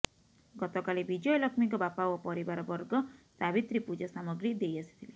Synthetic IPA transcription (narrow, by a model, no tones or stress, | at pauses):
ɡɔt̪ɔkalibid͡ʒɔjlɔkʰmikɔbapawɔpɔɾibaɾɔbɔɾɡɔsabit̪ɾipud͡ʒɔsamɔɡɾid̪ejasi̥t̪ʰili